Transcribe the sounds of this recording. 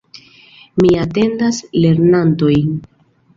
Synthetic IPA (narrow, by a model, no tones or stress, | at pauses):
miate̞ndasle̞ɾnanto̞j